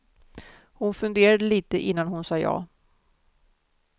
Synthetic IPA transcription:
hʊnfɵnd̪eːɾad̪əliːt̪əʔɪnːanɦʊnsɑːjɑ̰ː

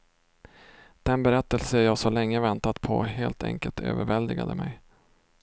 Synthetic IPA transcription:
d̪̥ɛnbɛɾɛt̪ːəlsəæjɑːɡsɔlɛŋːəvɛnt̪at̪pʰɔɦeːlt̪ʰɛ̰ŋkəlt̪ʰø̰ːvəɾvɛld̪ɪɡa̰d̪əmɛj

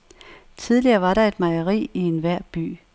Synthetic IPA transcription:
t͡sʰið̞ˠliɐːʋɑ̈ɾɑ̈e̝d̥mɑɪɐʁḭːie̝nʋæɐ̰b̥y̰ː

